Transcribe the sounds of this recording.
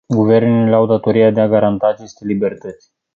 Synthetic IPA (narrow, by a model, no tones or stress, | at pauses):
ɡuve̞rneleawd̪at̪o̞ɾijad̪eaɡaɾant̪aːt͡ʃe̞st̪e̞libe̞rt̪ət̪sʲ